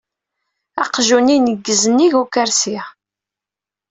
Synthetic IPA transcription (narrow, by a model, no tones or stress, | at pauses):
ɑqʒuninəɡːəzənːiʝukæɾsiʁ